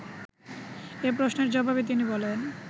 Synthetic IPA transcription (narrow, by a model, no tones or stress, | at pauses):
ep̬ɾosneɾd͡ʑɔbabet̪̬inibɔlen